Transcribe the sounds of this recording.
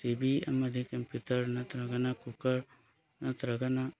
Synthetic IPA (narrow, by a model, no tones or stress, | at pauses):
t̪ibiɐ̰mɐd̪ʱikɐmpjut̪əɾnɐt̪ɾɐɡɐnakukəɾ | nɐt̪ɾɐɡɐna